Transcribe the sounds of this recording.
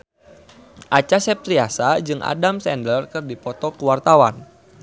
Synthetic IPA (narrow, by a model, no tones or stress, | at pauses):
ʔat͡ʃasɛp̚t̪ɾiasad͡ʒɨŋʔa̰damsɛndərkɨrdipɔt̪ɔkuwart̪awan